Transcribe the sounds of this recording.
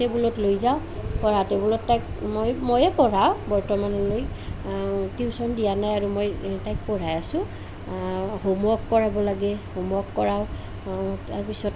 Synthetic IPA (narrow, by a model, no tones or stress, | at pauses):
tɛbulɔtlojzaʊ̃ | pɔɹatɛbulɔtːajkmojmojɛpɔɹawbɔɹtɔmanɔloj | tiʊsɔndijanajaɹumojtajk̚pɔɹajasʊ̃ | homɔɔkːɔɹabɔlaɡɛhomɔɔkːɔɹaʊ | taɹpisɔt